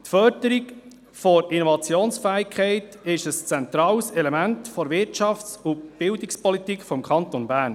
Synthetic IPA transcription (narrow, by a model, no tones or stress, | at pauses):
t̪fœɾdəɾik | fɔɾinɔvɑt͡sjoːnsfæːɪkʰχɛɪt | ɪʃəst͡sɛnt̪ɾɑːwsɛlɛmæntfɔɾvɪɾt͡ʃɑft͡sʊb̥ɪwdikspɔlit̪ikχfɔmkʰɑnt̪onbæːɾn